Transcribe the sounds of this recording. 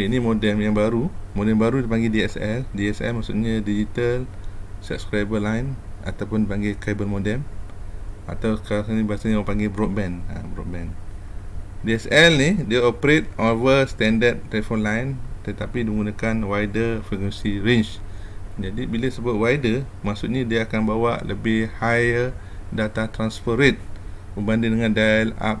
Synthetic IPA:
einimodɛmjãŋbaɾumodɛmbaɾudipãŋɡediɛsɛldiɛsɛ̰lmaʔsṵʔ̚ɲadid͡ʒit̪alsə̰p̚skɾajbəlajna̰t̪awpundipãŋɡekajbəlmodɛm | a̰t̪awkaasanibasanĩwapaŋɡebɾɔt̚bɛ̃na̰bɾɔ̰t̚bɛ̃n | diɛsɛlnideaopəɾet̪̚ovəst̪ɛ̃ndədt̪ːɾɛfɔnlajnt̪ət̪apidiɡunakanwajdəfikwɛ̃nsiɾent͡ʃ | d͡ʒadibilasəbat̚wajdə | maʔsut̪̚ɲadiaakanbawaʔləbɪhhajə | dat̪at̪ɾansfəɾit̪̚bəmbandidəŋãndala̰p̚

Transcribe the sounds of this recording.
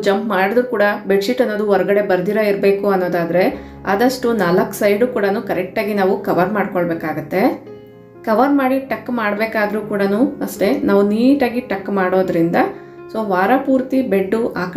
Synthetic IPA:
d͡ʒɐmpmaːɽid̪ɾukuːɽɐbeɖsiʈɐnːo̞ːd̪uɔɾɐɡɐɽe̞bɐɾd̪iɾɐiɾbe̞ːkuɐnːo̞ːd̪aːd̪ɾe̞ | a̰ːd̪ɐʂʈunaːlɐksɐjɖuːkuːɽɐnuːkɐɾɛk̚ʈaːɡinaːʋukɐʋɐɾmaːɖ̚koɭbeːkaːɡut̪ːe̞ | kɐʋɐɾmaːɽiʈɐkːmaːɽbeːkaːd̪ɐɾuːkuːɽɐnuːɐʂʈe̞naːʋuniːʈaːɡiʈɐkːmaːɽoːd̪ɐɾind̪ɐ | so̞ːʋaːɾɐpuːɾt̪ibe̞ɖːuʔaːk

